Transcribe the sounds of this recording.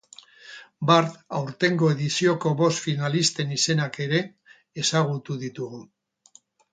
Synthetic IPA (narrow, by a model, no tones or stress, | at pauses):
baɾt̪awɾt̪e̞ŋɡo̞e̞ðisio̞ko̞βo̞st̪finalist̪e̞nise̞nake̞ɾe̞ː | saɣ̞ut̪uðit̪uɣu